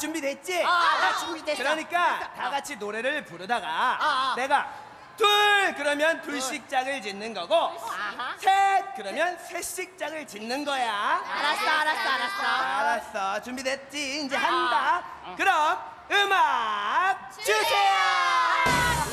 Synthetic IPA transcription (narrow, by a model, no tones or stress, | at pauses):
t͡ɕumbidwe̞t̚t͡ɕ͈i | kɯɾʌɲik͈ataɡat͡ɕʰinoɾe̞ɾɯɭpuɾɯdaɡane̞ɡa | tuɭkɯɾʌmjʌntuɭɕ͈ik̚t͡ɕ͈aɡɯɭt͡ɕinːɯnɡʌɡo | sʰek͈ɯɾʌmjʌnsʰe̞ɕ͈ik̚t͡ɕ͈aɡɯɭt͡ɕinːɯnɡʌjaasɾsɾsaɾas͈ʌt͡ɕumbidwet̚t͡ɕ͈iːnd͡ʑe̞ɦanbak̚ | kɯɾʌk̚ | ɯmak̚t͡ɕusʰe